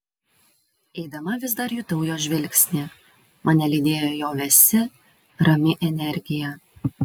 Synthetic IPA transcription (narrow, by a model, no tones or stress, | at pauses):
ɛɪd̪ɐmɐʋʲɪs̬d̪ɐɾjuːt̪ɐʊjoːʒʲʋʲɛlʲkʲsʲnʲɪ | mɐnʲɛlʲɪd̪ʲeːjoːjoːʋʲɛsʲɪ | ɾɐmʲɪʔɛnʲɛɾʲɡʲɪjɛ